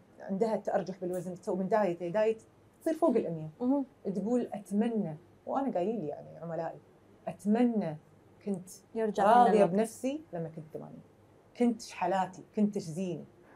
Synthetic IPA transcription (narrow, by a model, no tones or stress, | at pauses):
ʕɪ̰nd̪hat̪ʔɑ̰ɾˤd͡ʒaħbɪlwaznt̪awmɪnd̪aːjat̪ːd̪aːjat̪ | t̪sˤiːɾfoːɡɪlʔɪmjaʔt̪ɡuːlʔat̪manːa | wʔanaɡaːliːlija̰ʕnḭʕʊmalaːʔi | ʔat̪manːa | kʊnt̪jɪɾd͡ʒaɾɑːðjjabnafsilamːakʊnt̪ːama̰ːnḭːn | kʊnt̪ʃħalaːt̪ikʊnt̪ɪʃziːnḭ